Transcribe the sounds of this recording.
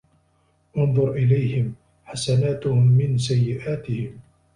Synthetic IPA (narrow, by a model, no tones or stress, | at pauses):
ʔʊnðˤʊɾˤʔɪlajhɪm | ħasanaːt̪ʊhʊmːɪns̬ajːɪʔaːt̪ɪhɪm